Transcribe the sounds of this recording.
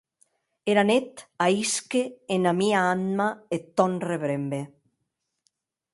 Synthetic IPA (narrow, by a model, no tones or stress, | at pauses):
eɾanet̪aiskeːnamiaanmaet̪ːɔnreβɾembe